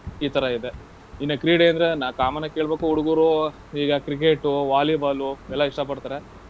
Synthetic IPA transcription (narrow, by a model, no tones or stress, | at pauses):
iːt̪ʰɐɾɐid̪e̞ | inːɐkɾiːɽeɐnd̪ɾenaːkaːmɐnɐke̞ːɭbeːkuuɽuɡuːɾo | iːɡɐkɾik̬eʈuʋaːliʋaːluɛlːɐiʂʈɐp̬ɐɽt̪aːɾe